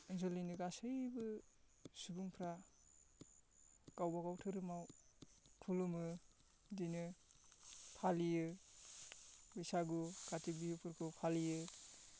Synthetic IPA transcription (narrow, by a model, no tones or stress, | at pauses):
inzɔlinɯɡasɯjbɯ | subuŋpʰɾa | ɡ̥awbaɡawtʰɯɾɯmaw | tʰulɯmɯ | dijnɯ | pʰalijɯ | bɯjsaɡuɡ̥atik̚bihɯpʰɯɾkʰɯpʰalijɯ